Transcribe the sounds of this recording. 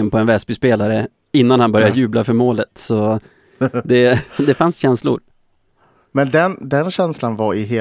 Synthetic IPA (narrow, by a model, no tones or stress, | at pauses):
ənpʰɔɛnvɛsbʏspeːlaɾə | ɪnːanhanbœɾjajʉ̟ːblafœɾmoːlət̪sɔ | d̪ɛd̪ɛfansɕɛnslʊ̰ɾ | mɛnd̪ɛnd̪ɛnɕɛnslanvaɾɪɦeː